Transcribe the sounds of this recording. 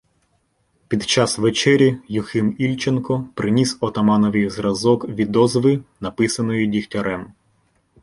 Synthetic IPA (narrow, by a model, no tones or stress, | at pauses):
pʲid̪t͡ʃɑsʋet͡ʃɛɾʲijʊxɪmilʲt͡ʃenkɔpɾʔɪnʲisɔt̪ɐmɑnɔʋɨjzɾɐzɔkʋʲid̪ɔzʋɪnɐpɪsɐnɔjidʲixtʲɐɾɛm